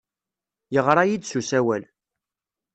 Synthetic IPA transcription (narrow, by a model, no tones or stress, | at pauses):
jəʁɾˤɑjid̪susæwæl